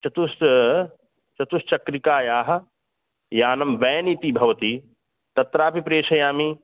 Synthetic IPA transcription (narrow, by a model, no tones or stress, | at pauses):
t͡ʃɐt̪us | t͡ʃɐt̪ust͡ʃɐkɾikaːjaːɦɐ̆ | jaːnɐmʋɛːniːt̪ibʱɐʋɐt̪iː | t̪ɐt̪ɾaːpipɾeːʃɐjaːmi